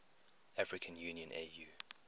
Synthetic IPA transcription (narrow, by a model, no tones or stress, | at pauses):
afɹɪkʰə̃njuːniə̃nʔḛju